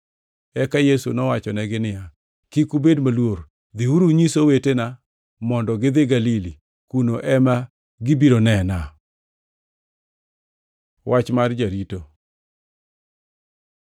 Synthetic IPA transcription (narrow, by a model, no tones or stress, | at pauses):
ɛkajesunɔwat͡ʃɔnɛɡɪnɪja | kikubedmalwoɾ | d̪ɪuɾuɲisowetena | mɔndɔɡɪd̪ɪɡalili | kunoʔɛma | ɡɪbiɾonɛna | wʔat͡ʃmard͡ʒaɾito